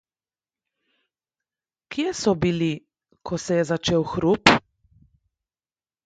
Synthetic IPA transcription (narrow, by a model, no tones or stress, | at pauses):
kjesɔbili | kʰɔsɛjɛzat͡ʃeːwxɾup